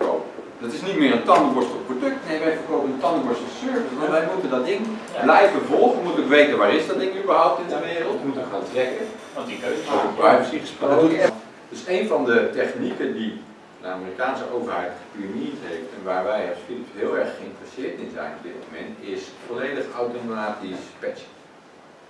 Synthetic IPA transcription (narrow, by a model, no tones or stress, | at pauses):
o̰p | dɑtɪsnitmɪːɹəntɑndəbɔɹstɔprodɵk̚tnejʋɛɛbəowpənəntɑndəbɔɹstɔsøɹvɪsʋɑ̃ntʋɛjmutəndɑtɪnblɛjvəvɔlˠχənmutɪkʋejtənʋaːɾɪzdɑtɪkybəɹɦʌwp̚tɪndəʋɪːrəlˠtmutɪkaːntrɛkə | ovəprajfəsiχəsprok | d̥øsejnvɑndətɛχnikəndi | dəa̰mɪːrikaːnsəʔowvəɹɦɛjtχə̥primiɹtɦejftɛnʋaːɹʋɛjɑsfilɪpsɦɪːlˠɛɹχəɪntrəsɪːɹtɪnzɛ̰jnɔb̚dɪt̚mowmɛ̰ntɪsfolejdəχawtomaːtispɛt͡ʃ